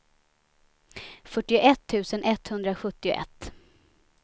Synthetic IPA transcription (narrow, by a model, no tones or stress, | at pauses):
fœʈːɪʊʔɛt̪ʰːʉ̟ːsənʔɛt̪hɵnd̪ɾaɧɵt̪ːɪʊ̰ʔɛ̰t̪ː